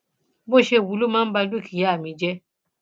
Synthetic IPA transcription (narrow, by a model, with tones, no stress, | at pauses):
bo˦˨ʃe˧˨wu˨˦lo˦mãː˦ba˧dki˨ja˦a˨mĩ˧d͡ʒɛ˦